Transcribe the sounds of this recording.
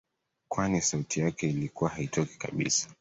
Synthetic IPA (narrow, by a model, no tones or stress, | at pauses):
kwanisautijakɛilikuwahaitɔki̥ka̰ɓḭsḁ